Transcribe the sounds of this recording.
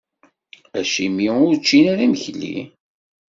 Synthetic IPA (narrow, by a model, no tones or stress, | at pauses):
æʃimiʊɾt͡ʃːinæɾæməçlːḭ